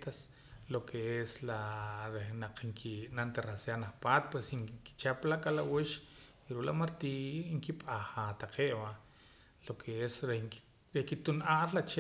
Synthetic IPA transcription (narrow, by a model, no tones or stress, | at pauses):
t̪as | lokʰeeslaɾehnaq͡χŋkʰinant̪eɾasjanaχpaːt̪̚pwesiŋki̥t͡ʃaplaʔkʼalawiʃ | iɾuʔla̰maɾt̪iiŋkipʼaχat̪aqʰeʔba | lokʰeesɾe | ɾehkit̪unʔaːllat͡ʃe